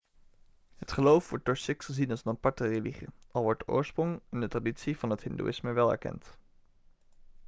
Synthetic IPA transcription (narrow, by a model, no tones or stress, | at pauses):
ɦətχəlowfʋɔɹt̚d̥ɔɹsɪkχəzinɑlˠsənɑpɑɹtəreliχḭʔɑlˠʋɔɹtəʔʊ̰ːɹsprʊŋɪndətraditsiv̥ɑnɦətɦɪndṵʔɪsməʋɛlˠɛ̰ɹkɛ̰nt